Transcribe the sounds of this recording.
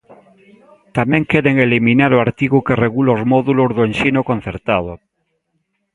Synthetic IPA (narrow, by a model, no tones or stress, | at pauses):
t̪amẽŋkeɾeŋeliminaɾoaɾt̪iɣukereɣulozmoðulozðoenʃinokõn̟θeɾt̪að̞o